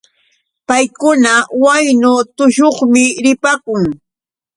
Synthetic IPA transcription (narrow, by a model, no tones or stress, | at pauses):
pajkʊnawajnʊt̪ʊʃoχmɪɾɪpakʊŋ